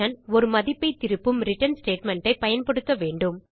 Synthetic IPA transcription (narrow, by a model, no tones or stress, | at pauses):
ɐnɔɾɯmɐðɪpːɐɪt̪ːɪɾɯpːɯmɾɪʈːɐnsʈeːʈmɛɳʈɐɪpɐjɐnpɐɽɯkːɐʋeːɳɖɯm